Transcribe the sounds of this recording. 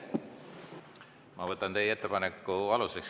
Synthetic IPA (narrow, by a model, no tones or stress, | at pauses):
mɑvɤt̪ːˑɑnt̪eje̞t̪ːepɑnekːuɑluseks